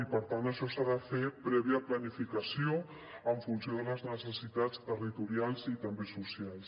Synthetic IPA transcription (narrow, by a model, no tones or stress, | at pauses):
ipəɾt̪ant̪əʃɔsaðəfepɾɛβ̞iəplənifikəsio | əɱfunsioðələznəsəsit̪at͡st̪ərit̪uɾialˠzit̪əmbesusialˠs